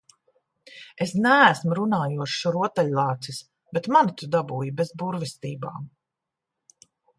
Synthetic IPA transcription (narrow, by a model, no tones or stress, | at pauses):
esnæːsmuɾunaːjuɔʃʃɔɾuɔt̪ɛʎʲlˠaːt̪sis | bet̪manit̪ud̪abuːjibɛzbuɾvɛst̪iːba̰ːm